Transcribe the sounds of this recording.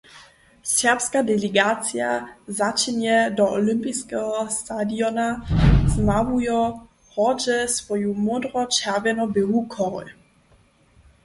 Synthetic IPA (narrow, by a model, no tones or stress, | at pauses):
sɛʁpskadɛlɛɡat͡sjazat͡ʃinɛdɔʔɔlɪmpiskɛɦɔst̪adiɔnaznavujɔ | ʁɔd͡ʒɛsvɔjumɔdɾɔt͡ʃɛʁvɛnɔbɪɦukʰɔʁɔ̰l